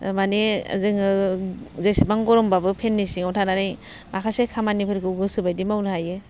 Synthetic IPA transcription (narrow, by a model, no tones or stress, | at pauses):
mania̰zɯŋɯ | zejsibaŋɡɔɾɔmbabɯpʰenːisiŋawtʰanaɾɯj | makʰasekʰamanipʰɯɾkʰɯɡɯsɯbajdimawnɯhajɯ